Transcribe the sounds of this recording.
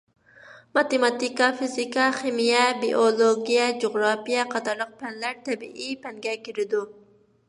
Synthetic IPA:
mɑt̪emɑt̪ikɑfizikɑχimijɛbiʔolˠoɡʲijɛd͡ʒoʁɾɑpijɛqʰɑt̪ɑɾlˠəq̚pʰɛnlæɾt̪ʰɛbḭʔipɛŋɡʲɛkʲiɾɪd̪u

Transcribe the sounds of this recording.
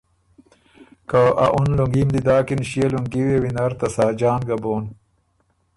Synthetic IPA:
kaʔa̰ʔunluŋɡimd̪id̪aːkinɕieluŋɡiwewinɐɾt̪ɐsaːd͡ʑaːnɡɐboːn

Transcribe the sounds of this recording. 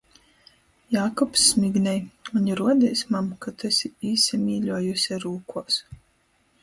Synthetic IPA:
jaːkɔpsːmʲiɡnʲɛjunʲiɾuɔd̪ʲɛjsmamkat̪ɛsʲiiːsʲimʲiːʎʲuɔjusʲɛɾuːkuɔs

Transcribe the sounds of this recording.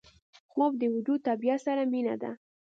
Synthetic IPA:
xob̚d̪əwʊd̪ut̪abijasaɾamina̰d̪a̰

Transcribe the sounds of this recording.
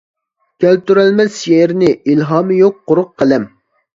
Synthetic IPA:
kʲʰælt̪yɾɛlmɛsjeɾnɪʔilɦɑːmɨjok̚qːʊɾʊqqʰːəlɛm

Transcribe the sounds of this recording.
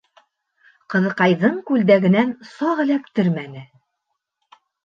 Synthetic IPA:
qɤ̆ðɤ̆qɑjðɤɴkʉld̪æɡɘ̆nænsɑʁɘ̆lækt̪ɘɾmænɘ

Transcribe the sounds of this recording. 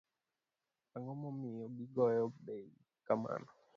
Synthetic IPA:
aŋɡɔmɔmijɔbiɡɔjɔɓɛi | kama̰nɔ

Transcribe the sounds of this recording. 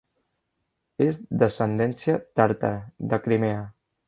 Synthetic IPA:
ezðəsənd̪ɛnsiət̪aɾt̪a̰ðəkɾimeə

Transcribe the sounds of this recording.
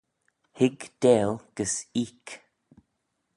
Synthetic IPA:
hɪɡd̪̥ɛːlɡ̥əsiːk

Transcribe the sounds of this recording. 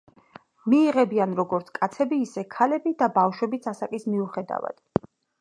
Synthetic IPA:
miːʁɛbianɾɔɡɔɾt̪sʰkʼat̪sʰɛbiːsɛkʰalɛbid̪abafʃwɛbit̪sʰasakʼismiuχɛd̪a̰va̰d̪̥

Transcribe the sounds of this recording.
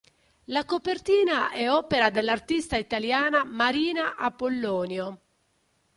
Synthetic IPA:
lakopert̪iːnaʔɛɔːpeɾad̪elːart̪ist̪ait̪aljaːnamaɾiːnaʔapːolːɔːnjo

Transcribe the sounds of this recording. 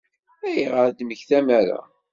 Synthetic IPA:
æjʁəɾd̪məçθæmæɾæ̰

